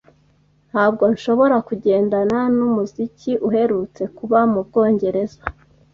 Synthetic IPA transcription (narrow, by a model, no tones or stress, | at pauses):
n̥haːb̚ɡo̞nʃo̞βo̞ɾakuɟe̞ːndananumuziciʔuɦe̞ɾut͡se̞kuβamubɡo̞ːɲɟe̞ɾe̞zḁ